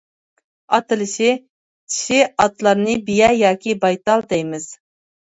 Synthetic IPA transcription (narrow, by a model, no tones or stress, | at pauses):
ɑt̪ɨlɪʃɪ | t͡ʃʰi̥ʃɪɑt̪lˠɑɾnɨbijɛjɑːkʲʰibɑjt̪ɑlˠd̪ɛjmɪz̥